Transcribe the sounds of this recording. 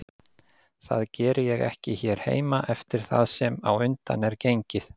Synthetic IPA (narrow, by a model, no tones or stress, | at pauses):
θaðcɛːɾɪjɛɣɛ̰hcɪçɛɾ̥hḛːjmaʔɛft̪ɪɾ̥θaðsɛmawʏnt̪a̰nɛɾcejɲcɪθ